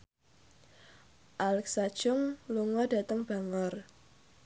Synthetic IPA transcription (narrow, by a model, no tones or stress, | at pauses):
ʔalɛk̚sad̥ʒ̥ʊŋluŋɔd̥a̤t̪əŋb̥a̤ŋɔr